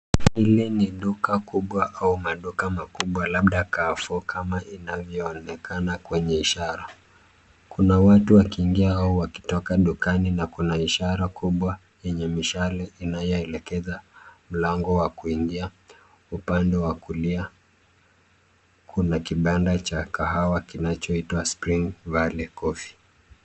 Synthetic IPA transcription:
hiliniɗukakuɓwaʔaumaɗukamakuɓwalaɓɗakafukʰamaʔinavjɔːnɛkanakwɛɲɛiʃaɾa | kunawatuwakiːŋɡiaauwaki̥tɔkaɗukaninakunaiʃaɾakuɓwa | jɛɲɛmiʃalainajɔɛlɛkɛzam̩laŋɡɔwakuiŋɡia | upandɛwakulia | kʰunakiɓandat͡ʃakaɦawakinat͡ʃɔitwaspɾiŋɡvalɛkɔfi̥

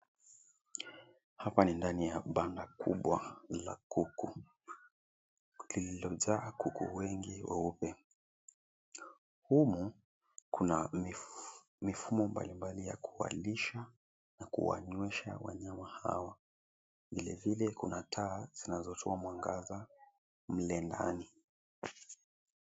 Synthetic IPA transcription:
hapanindanijaɓandakuɓwala̰kuku | lililɔʄaːkukṵwɛŋɡiwɛ̰upɛ | humu | kuna | mifumɔmba̰limbalija̰kuwa̰liʃa | nakṵwa̰ɲwɛʃa̰wa̰ɲamaha̰wa | vilɛvilɛkunatʰaːz̥inazɔtʰɔamwaŋɡaza | m̩lɛnda̰ni

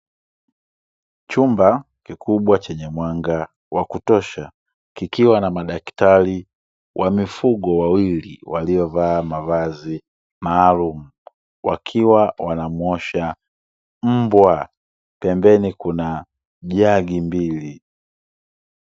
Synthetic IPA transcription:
t͡ʃumba | kikuɓwat͡ʃɛɲɛmwaŋɡa | wakutɔʃa | kikiwanamaɗaktali | wʔamifuɠɔwawilḭwaliɔvaːmavazi | maːlumu | wa̰kʰiwawanamwɔʃa | m̩bwa | pɛmbɛnikuna | ʄaɡimbili

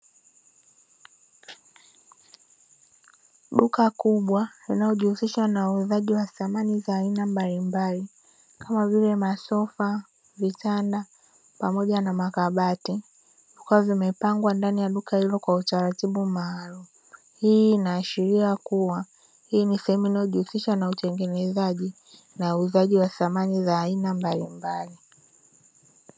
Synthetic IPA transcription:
ɗukakuɓwalinajɔʄihusiʃwanauuðaʄiwaθamanizaːinambalimbali | kamavilɛmasɔfa | vitanda | pamɔʄanamakaɓati | ukuwavimɛpaŋɡwandanijaɗukahilɔkwautaɾatiɓumaːlumu | hiːnaːʃiɾiakuwa | hiːnisɛhɛmuinajɔʄuhusiʃanautɛŋɡɛnɛzaʄi | nauːzaʄiwaθamanizaːinambalimbali

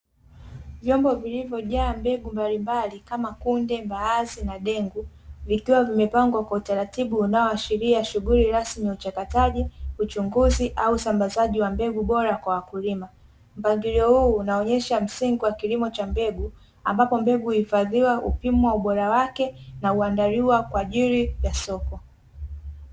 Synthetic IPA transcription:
vjɔmbɔvilivjɔʄaːmbɛɡumbalimbalikamakundɛmbaazinaɗɛŋɡuvikiwavimɛpaŋɡwakwautaɾatiɓuːnaɔaʃiɾiaʃuɣuliɾasmiut͡ʃakataʄiut͡ʃuŋɡuziʔauːsambazaʄiwambɛɡuɓɔɾakwawakulima | m̩paŋɡiɾiɔhuːnaɔɲɛʃam̩siŋɡuwakilimɔt͡ʃambɛɡu | a̰mbapɔmbɛɡuhifaðiwaʔṵpimuwauɓɔɾawakɛnauandaɾiwakwaʄiɾivjasɔkɔ

